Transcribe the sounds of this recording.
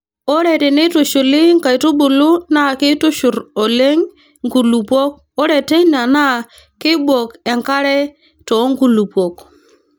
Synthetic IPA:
ɔ˦ɾɛ˨tɪ˨nɪ˦tʊ˨ʃʊ˨lɪ˦ŋka˨jtʊ˦ɓʊ˨lʊ˦na˦˨kɪ˦tʊ˦ʃʊ˨ɾɔ˨le˦ŋ | ŋku˨lu˨pwɔ˦k̚ | ɔ˦ɾɛ˨tɛ˦na˨na˦ | kɪ˦bwɔ˨kɛ˨ŋka˦ɾɛ˦ | tɔ˨˦ŋku˨lu˨pwɔ˨k

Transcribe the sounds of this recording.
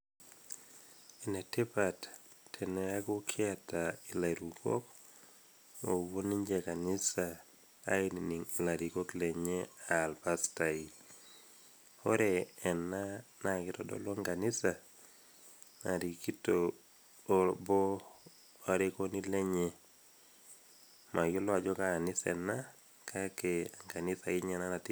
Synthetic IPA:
i˨nɛ˨te˦patːʰ | ɛ˨nɛaɡʊ˦kʰɪ˦atai˨la˨ɾuko̰˦k | o˨wo˦ni˦ɲd͡ʒɛka˨nɪ˦sa | a̰˦ininiŋi˨la˨ɾiko˦klɛ˨ɲɛa˨lpastai | o˦ɾɛːnːa˦nakɪ˦tɔdɔ̰lɔ˦ŋka˨ni˦sa˨ | na̰˨ɾi˨ki˦to | bɔ˦ | aɾeko˦ni˦le˦ɲe | ma˨jo˦lɔ˦a˨d͡ʒɔ˦kaːnɪsɛ̰˨na | kʰa˦keaŋka˨ni˦sa˨ɪɲɛ˦na˦na˨ti˦

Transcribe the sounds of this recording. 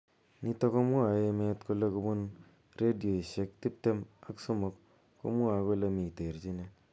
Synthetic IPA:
ni˦to˦ko˦mwa˨e˧me˦tku˧le˧ku˧bʊ˦n | re˦di˨o˨i˨ʃe˦k̚ti˦p̚te˦ma˦kso˦mo˨k | ko̰˦mwa˨ko˦le˧mi˨te˨rt͡ʃi˦ne

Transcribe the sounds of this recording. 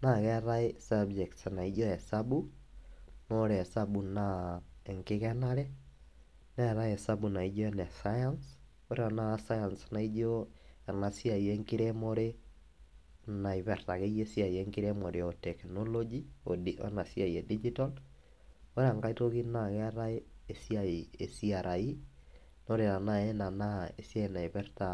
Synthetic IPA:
na˨kɛ˦ɾa˦ɪsabd͡ʒɛ˨ktsana˨i˦d͡ʒo˦ɛ˨sabu˦ | no˦ɾɛ˨sa˦bunae˨ŋkɪ˦kɛna˦ɾɛ˦ | nɛ˦ɾa˦jɛ˨sa˦bu˨na˨i˦d͡ʒo˦ɛnɛ˨sajans | o˦ɾe˦a˨na˦sa˦ja˨nsana˨i˦d͡ʒo˦a˨na˨si˦a˨je˦ŋki˦ɾemɔ˦ɾe˦ | na˨iβɛɾta˨ɣe˦jesiaieŋkiɾemo˨ɾeotɛknolod͡ʒioio̰na˨sia˨jɛdid͡ʒital | o˦ɾea˨ŋɡa˦i˦tokinaɣɛ˦ɾa˦ee˨siaie˨siaɾʔa˨i | no˦ɾeɾa˨nae˦na˨na˦e˨sia˦ena˨iβɛ˦ɾta

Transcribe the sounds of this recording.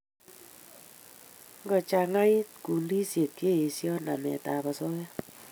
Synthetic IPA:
ŋɡɔ˨t͡ʃa˧ŋa˦i˦t̪̚ku˨ndi˦sje˨t̚ke˦˨e˨sjɔ˦na̰˨mɛ̰˨t̪a˨bɔ˨sɔ˦ja˦

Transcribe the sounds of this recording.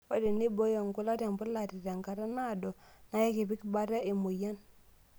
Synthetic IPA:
ɔ˦de˨ni˦bɔ˦jɔ˨ŋkʊ˦la˦ta˨mbʊ˦la˨ti˨ta˨ŋka˨ɾa˦na˦˨dɔ˨na˦je˦ke˨pɪ˦kba˦ta˦e˨mu˨ja˦n

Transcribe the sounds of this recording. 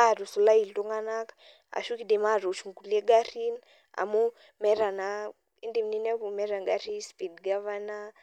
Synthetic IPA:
a˦˨ɾu˨su˨la˦i˨ltu˦ŋa˦na˦k | a̰˨ʃu˦ki˦de˨ma˦ɾo˨ʃu˨ŋ˨ku˨le˦ɡa˦ɾi˦n | a̰˨mu˦ | mɛ˦ɾa˨na | i˦ndi˨mni˦nɛ˦ku˨mɛ˦ɾa˨ŋɡa˦ɾi˦spi˨dɡa˦va˦na˦

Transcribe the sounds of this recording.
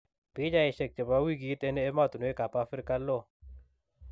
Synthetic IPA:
pi˨˦d͡ʒa˨ɛ˨ʃɛ˨k̚t͡ʃɛ˨ba˦wi˦ɡi˨˦t̪ɛ˦nɛː˦ma˦˨t̪u˨n˨ɛ˦ka˨pa˦fɪ˦ɾka˦lːɔ˦˨

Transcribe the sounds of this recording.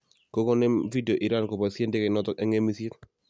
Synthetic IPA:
ko˦kɔ˦nɛ˦mvi˦de˨o˨ʔi˨ɾa˦nko˨pa˨se˦nde˦kɛ˨nɔ˦tɔ˦ke˦ŋe˦mi˦si˦t̚

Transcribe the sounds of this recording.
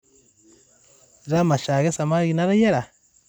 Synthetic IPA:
ɾa˦ma˨ʃa˨ɣe˦sa˨ma˦ɣi˨na˦ɾa˦je˦ɾa˨

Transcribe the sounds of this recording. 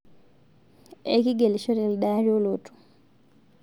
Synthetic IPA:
ḛ˦ki˦ɡe˨li˨ʃo˦ɾe˨li˨ɗa˦ɾo˦lo˨tu̥˨

